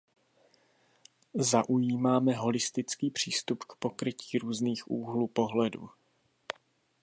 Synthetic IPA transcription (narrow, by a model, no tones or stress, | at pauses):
zaʔujiːmaːmɛɦo̞lɪst̪ɪt͡skiːpr̝̥iːst̪upkpo̞kɾɪciːɾuːzniːxʔuːɦluːpo̞ɦlɛdṵː